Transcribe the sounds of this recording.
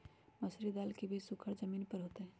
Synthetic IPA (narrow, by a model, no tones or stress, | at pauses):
məsɾid̪aːlkebʱisʊkʰəɾd͡ʒəmiːnpəɾɦoːt̪eɦɛ̃